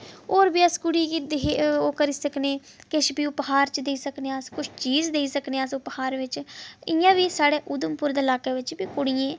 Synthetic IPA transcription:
oːɾbiːəskʊɽiːkːd̪eoːkəɾiːsəkneː | kɪʃbiːʊpɦaːɾt͡ʃd̪eiːsəkneːãskʊt͡ʃʰt͡ʃiːzd̪eːiːsəkneːəsʊphaːɾʋɪt͡ʃɪjãːʋiːsaːɽeːʔʊd̪əmpʊɾd̪eːlaːkeːʋɪt͡ʃbiːkʊɽijẽː

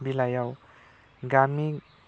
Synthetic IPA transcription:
bilajaw | ɡami

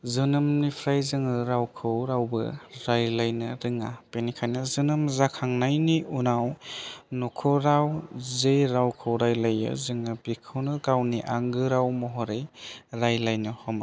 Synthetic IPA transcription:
zɯnɯmnipʰɾajzɯŋɯɾawkʰɯwɾawbɯ̰ɾajlajnɯɾɯŋapenikʰajnɯzɯnɯmzakʰaŋnajniʔunawnɔkʰɔɾawzejɾawkʰɯwɾajlajɯ̰zɯŋɯbikʰɯwnɯɡawniʔaŋɡɯɾawmɔɦɔɾɯjɾajlajnɯhɔma

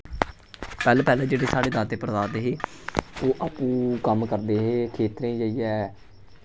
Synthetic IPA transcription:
pɛːlãːpɛːlãːd͡ʒeːɽeːsaːɽeːd̪aːt̪eːpəɾəd̪aːd̪eːɦeːoːʔaːpũːkəmkəɾd̪eːɦeːkʰeːt̪ɾẽːd͡ʒəijɛː

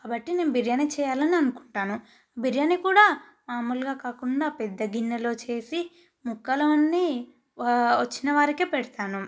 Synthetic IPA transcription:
kaːbɐʈːine̞ːnubiɾjɐnet͡ʃɛːjaːlɐniɐnukuɳʈaːnu | biɾjɐnikuːɽaː | maːmulɡaːkaːkuɳɖaːpɛd̪ːɐɡinːɐlo̞ːt͡ʃe̞ːsi | mukːɐlɐʋɐnːi | ʋɐt͡ʃːinɐʋaːɾikeːpɛɽɐt̪aːnu

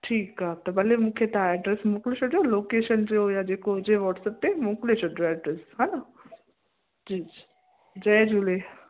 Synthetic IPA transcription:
ʈʰiːkɦaːt̪ɐbɐlemũːkʰet̪aeɖɾesmũklet͡ɕʰoɖjoloːkeːʃənd͡ʑojad͡ʑeːkoɦʊd͡ʑeʋɔːʈsəp̚t̪emũːklet͡ɕʰoɖjoɛɖɾesɦaːna | d͡ʑiːd͡ʑi | d͡ʑɐːd͡ʑule

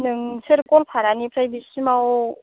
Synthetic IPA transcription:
nɯŋsʰɯɾkonpʰaɾanipʰɾajbisɯmao

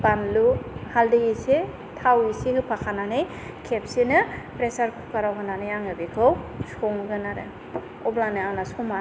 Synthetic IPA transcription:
panluhaldɯjise | tʰawisehɯpʰakʰananej | kʰep̚senɯpɾesaɾkʰukaɾawɦɯnanɯjaŋɯbekʰɯwsɔŋɡɯnaɾɯ̰ | ɔblanɯanasɔma

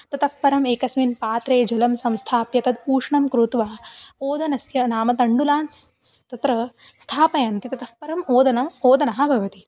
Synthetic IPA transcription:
t̪ɐt̪ɐfpɐɾɐmeːkɐsminpaːt̪ɾeːd͡ʒɐlɐmsɐ̃mst̪ʰaːpjɐt̪ɐd̪puːʂɳɐmkɾut̪ʋaːoːd̪ɐnɐsjɐnaːmɐt̪ɐɳɖulaːns | sɐt̪ɐt̪ɾɐ | st̪ʰaːpɐjaːnt̪it̪ɐt̪ɐfpɐɾɐmoːd̪ɐnɐmoːd̪ɐnɐɦɐ̆bʱɐʋɐt̪i

